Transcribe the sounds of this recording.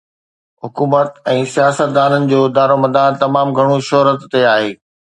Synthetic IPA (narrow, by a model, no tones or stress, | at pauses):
ɦʊkuːmət̪ɛ̃ːsijaːsət̪̚d̪aːnənɪ̆d͡ʑoːd̪aːɾomɐd̪aːnt̪ɐmaːmɡʱɐɽ̃uʃɔɦɾət̪ːeaːɦeː